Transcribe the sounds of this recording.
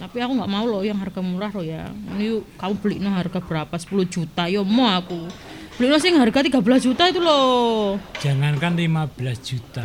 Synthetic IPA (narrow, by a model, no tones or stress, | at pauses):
t̪apiakuŋɡaʔmaulɔjaŋɦarɡ̥amuɾahrɔja̰anijukamub̥əliʔnɔɦarɡ̥ab̥əɾapasə̥puluhd͡ʒ̥ut̪ajɔmɔaku | b̥əliʔnɔsɪŋɦarɡat̪iɡabəlas̬d̥d͡ʒut̪ait̪ulɔ̥ | d͡ʒ̥a̤ŋankanlimab̥əlasd͡ʒ̥ut̪a